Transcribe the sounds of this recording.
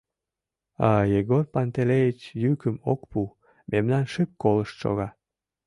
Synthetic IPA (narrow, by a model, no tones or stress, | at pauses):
ɑjeɣorpɑnt̪elejit͡ɕjykəmo̰kpu | memnɑnʃekːoləʃt̪ʃo̰ɣɑ